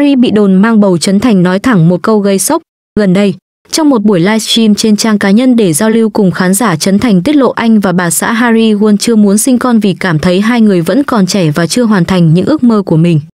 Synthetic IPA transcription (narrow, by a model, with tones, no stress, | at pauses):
ɾi˧ɓḭ˧˨ɗo˨˩nmaː˧ŋɓə˨˩wt͡ɕə˨˦nt̪ʰa˨˩jŋ̟nɔ˨˦jt̪ʰa˧˩ŋmo˨˩t̚kə˧wɣə˧jsə˦˥k͡p̚ | ɣə˨˩nɗə˧j | t͡ɕɔ˧wŋ͡mmo˨˩t̚ɓu˧˩əjlaː˧jst͡ɕi˧mt͡ɕe˧nt͡ɕaː˧ŋkaː˨˦ɲə˧nɗe˧˩zaː˧wli˧wkʊ˨˩ŋ͡mxaː˨˦nzaː˧˩t͡ɕə˨˦nt̪ʰa˨˩jŋ̟t̪i˦˥ət̚lo̰˧˨ʔa˧jŋ̟vaː˨˩ɓaː˨˩sa̰ː˧˥ɦaː˧ɾi˧ɣu˧ənt͡ɕɨ˧əmu˨˦ənsï˧ŋ̟kɔ˧nvi˨˩kaː˧˩mt̪ʰə˨˦jɦaː˧jŋɨ˨˩əjvə̰˧˥nkɔ˨˩nt͡ɕɛ˧˩vaː˨˩t͡ɕɨ˧əɦwaː˨˩nt̪ʰa˨˩jŋ̟ɲɨ̰˧˥ŋʔɨ˦˥ək̚məː˧ku˧˩əmï˨˩ŋ̟